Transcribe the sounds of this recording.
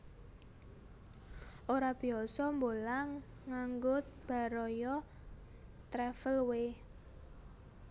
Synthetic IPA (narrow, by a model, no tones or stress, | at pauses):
ʔoɾab̥i̤ɔsɔmbolaŋː | aŋɡʊt̪̚b̥a̤ɾɔjɔ | t̪ɾɛfəlwe